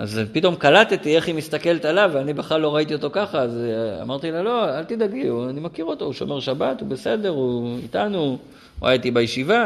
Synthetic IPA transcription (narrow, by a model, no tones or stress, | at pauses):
a̰zpito̞mkalat̪et̪ie̞χhimist̪ake̞let̪alavanibeχlalːo̞ʁait̪io̞t̪o̞kaχaːza̰maʁt̪ilalo̞alt̪id̪aɡiuanimakiʁo̞t̪o̞uʃo̞̰me̞ʁʃabat̪ube̞se̞de̞ʁuit̪anu | a̰jat̪ibajeʃiva